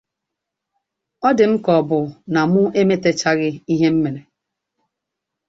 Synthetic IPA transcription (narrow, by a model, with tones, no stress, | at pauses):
ɔ˦dɪ˨m̩˦kɔ˨bʊ˨na˨mʊ˦e˦me˦te˦t͡ʃa˦ɣɪ˦i˦ɦe˦m̩˦me˨ne˨